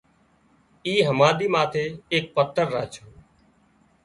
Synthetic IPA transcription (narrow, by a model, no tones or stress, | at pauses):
iːɦəmaːɗ̪iːmaːt̪ʰeːeːk̚pət̪ʰːəɾːaːt͡ʃʰoː